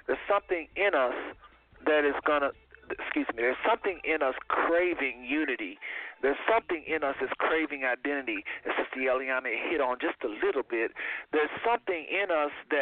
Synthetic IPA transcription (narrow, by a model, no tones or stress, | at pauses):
ðə˞z̥sʌ̃mθɪ̃ŋɪ̃nʌs | ðɨɾɨzɡʌnə | skjʉzmiðə˞z̥sʌ̃mθɪ̃ŋʔɪ̃nʌskʰɹ̥eɪvɪ̃ŋjʉnɨɾiðə˞z̥sʌ̃mθɪ̃ŋʔɪ̃nʌsðɨz̥kʰɹ̥eɪvɪ̃ŋaɪdɛ̃ñɨɾiɨsd̥ʌs̚ðiɛlˠiãmihɪɾn̩d͡ʒʌstəlɪɾl̩ˠbɪt̪̚ðə˞z̥sʌ̃mθɪ̃ŋʔɪ̃nʌsðɨ